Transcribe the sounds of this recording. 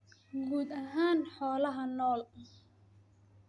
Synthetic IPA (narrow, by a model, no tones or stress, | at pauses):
ɡuːd̪ɐɦaːnħɔːlɐɦɐnɔːl